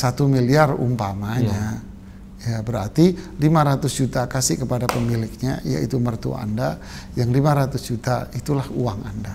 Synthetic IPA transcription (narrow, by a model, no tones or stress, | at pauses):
sat̪umiliarṵmpamaɲa | jabəɾart̪ilimaɾat̪ʊsd͡ʒut̪akasɪhkəpadapəmilɪk̚ɲaja̰ḭt̪umərt̪ṵa̰nda | jaŋlimaɾat̪ʊsd͡ʒut̪ait̪ulahuaŋanda